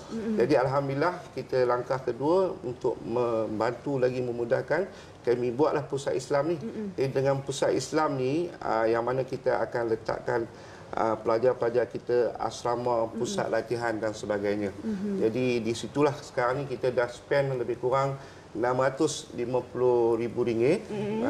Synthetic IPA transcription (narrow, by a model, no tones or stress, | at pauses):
d͡ʒadialɦamdilahkit̪əlaŋkahkəduəṵnt̪ʊ̰k̚mə̃mbant̪ulaɡimə̃mũdahkan | kamĩbuaʔlahpusat̪islamnid͡ʒaidəŋãnpusat̪̚islamniə̰jaŋmanãkit̪əa̰kanlət̪a̰ʔkan | ʔə̰pəlad͡ʒarpəlad͡ʒarkit̪əa̰sɾamapusa̰t̪̚lat̪iɦandansəbaɡajɲãd͡ʒadidisit̪ulahsə̥kaɾaŋnĩkit̪adahsə̥pɛnləbɪhkuɾaŋ | namat̪ʊslimãpulʊɾibuɾiŋɪt̪̚